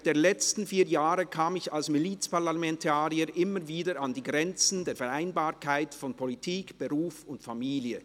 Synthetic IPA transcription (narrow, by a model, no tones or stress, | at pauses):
d̥eːɐlɛt͡stn̩fiːjaːʁəkʰaːmɪçalsmiliːt͡spaʁlamɛntʰaːʁiəɾʔɪməviːdəɾandiːɡʁɛnt͡sn̩deːɐfɛɾaɪnbaːɐkʰaɪtfɔnpʰɔlitʰiːkb̥əʁuːfʊntfamiːljə